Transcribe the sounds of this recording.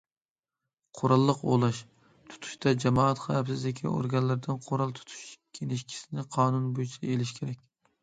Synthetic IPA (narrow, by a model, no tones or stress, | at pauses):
qʰoɾɑlˠːɨqo̰lˠɨʃ | t̪ʰʊ̥t̪ʰʊ̥ʃt̪ʰad͡ʒamɒat̪χɑjapsɪzlɪkʲʰɪ̰o̰ɾɡʲanlaɾd̪ɪnqʰoɾɑlˠt̪ʰʊ̥t̪ʰʊ̥ʃkʲʰenɪʃkʲʰɪ̥sɪnɪqʰɑːnʊnbojt͡ʃʰaelɪʃkʲʰeɾak̚ʲ